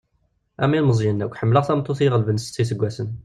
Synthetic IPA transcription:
ʔæ̰milməzˤjənːækʷːħəmːləʁθæmt̪ˤːuθiʁəlbənsə̥t͡sːis̬əɡʷːæsən

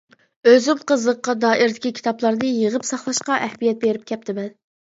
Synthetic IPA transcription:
øzymqʰəzəqːɑd̪ɑːʔɪɾd̪ɪkʲikʲʰi̥t̪ʰɑplˠɑɾnɨjəʁəpsɑχlˠɑʃqɑʔɛhmijɛt̪̚beɾɪp̚kʲʰɛp̚t̪ʰɪmɛn

